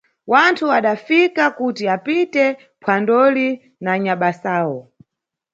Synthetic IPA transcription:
wantʰuaɗafikakutiapitɛ | pʰwandɔli | naɲaɓasaːwɔ

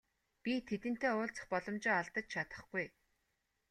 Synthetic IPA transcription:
pʲit̪ʰet̪ɘ̆n̥t̪eːʊːɮt͡sə̥̆χpɔɮɞ̆mt͡ɕɪːaɮt̪ə̆t͡ɕt͡ɕʰat̪ə̥̆χɡ̥uj

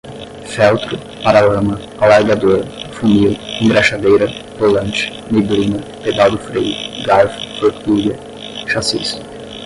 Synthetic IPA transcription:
fɛwt̪ɾʊ | paɾalɐ̃mɐ | awaɾɡad̪oɾfumiwĩŋɡɾaʃad̪ejɾɐvolɐ̃nt͡ʃɪ̥ | meɡlĩnɐped̪awd̪ʊfɾejʊɡalft̪oɾt̪uɡɐ | ʃasḭs

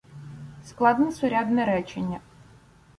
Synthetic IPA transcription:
sklˠɑd̪nɛsʊɾʲad̪nɛɾɛt͡ʃenʲːɐ

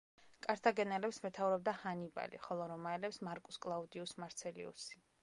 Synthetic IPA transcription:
kʼaɾt̪ʰaɡɛnɛlɛpsmɛt̪ʰavuɾɔb̚d̪ahaniba̰lḭχɔlˠɔɾɔmaɛlɛpsmaɾkʼuskʼlˠaud̪iusmaɾt̪sʰɛlḭṵsi̥

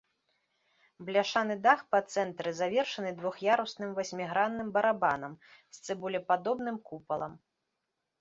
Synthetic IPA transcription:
blʲaʂanɨd̪axpɐt̪sɛnt̪ɾɨzavʲɛrʂɐnɨd̪vɔxjaɾusnɨmvasʲmʲiɣɾanːɨmbɐɾabanɐmst̪sɛbulʲɛpad̪ɔbn̪ɨmkupɐlˠɐ̰m

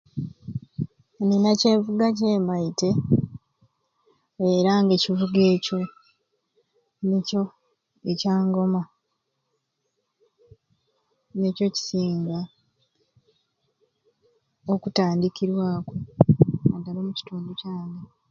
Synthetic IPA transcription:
ninace̞ːɱvuɡac̬e̞ːmaite̞ | eɾaŋɡe̞civuɡe̞ːco̞ | neco̞ | ecaːŋɡo̞ma | ne̞ːco̞ci̥siːŋɡa | okutaːndikiɾwaːkwo̞adːalomuci̥tuːnducaːne

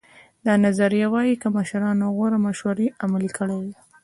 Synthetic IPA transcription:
d̪ɑnazaɾijawɑjikəmaʃɾɑnoɣwoɾamaʃwaɾeʔamalikəɽewe

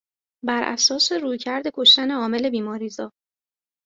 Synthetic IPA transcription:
bæɾʔæ̰sɒːseɾuːjcʰæɾd̪e̞kʰo̞ʃt̪æne̞ɒːme̞le̞biːmɒːɾiːzɒː

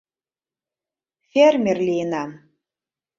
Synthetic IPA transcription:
fermʲerlinam

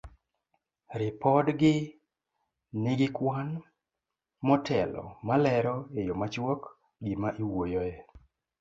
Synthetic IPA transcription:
ɾɪpɔdɡɪ | nɪɡɪkwan | mɔtʰɛlɔ̰malɛɾɔejɔmat͡ʃwok | ɡimaʔiwojɔjɛ

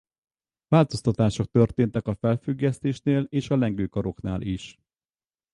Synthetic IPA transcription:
vaːlt̪o̞st̪ɒt̪aːʃo̞k̚t̪ørt̪eːnt̪ɛkɒfɛlfyɡːɛst̪eːʃneːleːʃɒlɛŋɡøːkɒɾo̞knaːlʔiʃ

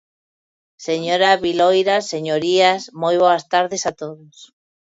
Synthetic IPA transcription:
seɲoɾaβilojɾaseɲoɾiasmojβ̞oast̪aɾðesat̪oðos

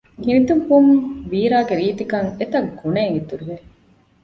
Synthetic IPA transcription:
hinid̪ubumʋiːɾaːɡeɾiːt̪ikɐŋet̪ɐɡːuneːŋit̪uɾuʋe

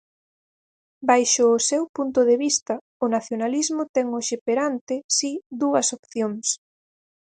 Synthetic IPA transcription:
bajʃʊːsɛwpunt̪ʊðeβist̪ɐ | ʊnaθjonalizmʊt̪ɛŋʊʃepeɾant̪ɪsid̪uɐsopθjoŋs

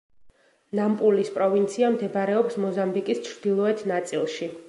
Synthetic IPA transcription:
nampʼulispʼɾɔvint̪sʰiamd̪ɛbɾɛɔpsmɔzambikʼist͡ʃʰɾd̪̥ilˠɔɛt̪ʰnat̪sʼilˠʃi

